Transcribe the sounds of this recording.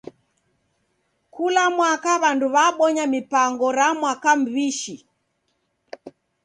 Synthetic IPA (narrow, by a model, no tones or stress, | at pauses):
kulamwakaβanduβaɓɔɲamipaŋɡɔɾamwakam̩βiʃi